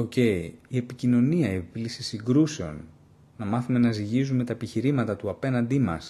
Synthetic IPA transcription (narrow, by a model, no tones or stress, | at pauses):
oce̞iie̞picino̞niɐiepiplisisiŋɡɾuse̞o̞̰nː | ɐmɐθume̞nɐziʝizume̞t̪ɐepiçiɾimɐt̪ɐt̪uɐpe̞nɐnd̪imɐ̰s